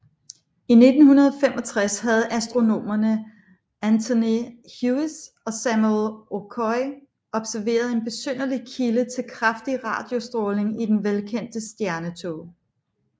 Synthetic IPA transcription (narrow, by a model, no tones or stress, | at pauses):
ine̝d̥n̩hunɐð̞ˠɒfem̰ɒ̽t͡sʰʁashæð̞̩ˠæsd̥ʁo̝no̝̰ːmɐnə | ænt͡sʰoni | hjus | ɒ̽sæmuelokʰɒɪ | ɒ̽b̥sæɐʋe̝̰ːɐð̞ˠe̝nb̥e̝søn̰ɐlikʰilət͡sʰe̝lkʰʁafd̥iʁɑ̈ːd̥jo̝sd̥ʁɔːle̝ŋid̥enʋelkʰen̰d̥əsd̥jæɐnət͡sʰo̰ː